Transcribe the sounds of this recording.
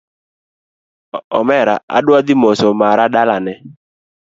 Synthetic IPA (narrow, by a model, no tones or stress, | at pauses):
ɔ̰mɛɾaʔa̰ɗʊad̪ɪmɔsɔmaɾaɗalanɛ